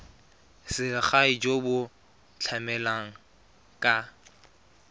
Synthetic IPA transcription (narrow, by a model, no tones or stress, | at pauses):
sɪχaɪd͡ʒobʊ | t͡ɬʰamɛlaŋ̩ | kʼa